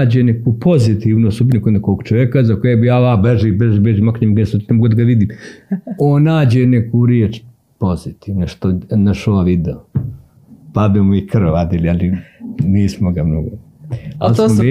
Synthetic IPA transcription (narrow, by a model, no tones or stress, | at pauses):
d͡ʑenekupʰozit̪iʋnosubnukonekoːɡt͡ʃoʋekazakojebijaːlaːbeʒiːbeʒibeʒiːmakɲemɡesot̪nemoɡod̪aɡaʋid̪iːm | oːnnaːd͡ʑenekuɾjeːt͡ʃ | pozit̪iːʋnoʃt̪onaʃoaʋid̪eo | pademoikrad̪ilialiniːsmoɡamno̰ɡo | a̰loe